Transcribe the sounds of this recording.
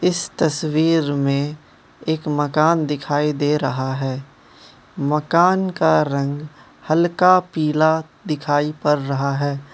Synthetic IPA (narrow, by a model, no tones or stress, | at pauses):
ɪst̪ɐswiːɾmẽ | eːkmɐkaːnd̪ɪkʰaːid̪eːɾɐɦaɦɛː | mɐkaːnkaɾɐ̃ŋɡ | hɐlkapiːla | d̪ɪkʰaːipɐɾːɐɦaɦɛː